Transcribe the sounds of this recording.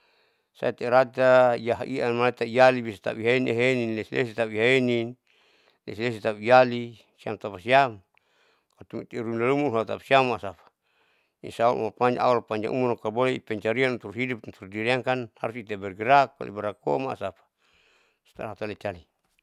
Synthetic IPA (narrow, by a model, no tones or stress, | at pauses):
sa̰it̪ɛɾat̪aijaɦiamalat̪aijalibisat̪a̰piɦaenḛɦeninlɛsilḛsit̪aiɦaenin | lɛ̰siles̬it̪apijali | sia̰mt̪apasiam | kat̪umit̪ɛɾumlalumuɦat̪apḁsiamaʔsapḁ | ḭsaṵlʔṵmapaɲd͡ʒa̰ʔaalpaɲd͡ʒa̰ʔṵmunokaboleipɛɲt͡ʃaɾianunt̪urɦidup̚nt̪urdiɾiaŋkanha̰ɾusit̪abɛrɡiɾak̚ba̰lḭbaɾako̰maʔsapḁ | sḁt̪aɾat̪alet͡ʃali